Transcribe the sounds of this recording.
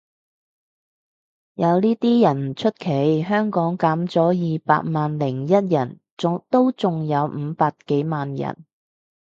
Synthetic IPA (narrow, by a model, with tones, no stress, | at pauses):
jɐ˨˧wniː˥t̪iː˥jɐ˨˩n˨˩t͡ʃʰɵ˥t̚kʰe˨˥jɦœː˥ŋkɔː˨˥ŋkaː˨˥mt͡sɔː˨˥jiː˨pa̰ː˧t̚maː˨nlɪ˨˩ŋjɐ˥t̚jɐ˨˩n | t͡sʊ˨t̪o˥wt͡sʊ˨ŋjɐ˨˧wm̩ː˨˧paː˧kke˨˥jmaː˨njɐ̰˨˩n